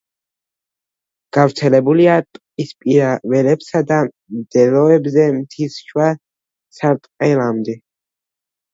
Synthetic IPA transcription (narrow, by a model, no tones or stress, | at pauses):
ɡ̥avɾt̪sʰɛlɛbuliat̪ʼqʼispʼiɾavɛlɛpsad̪a | md̪̥ɛlɔɛbzɛmt̪ʰisʃwa | saɾt̪ʼqʼɛlamd̪ɛ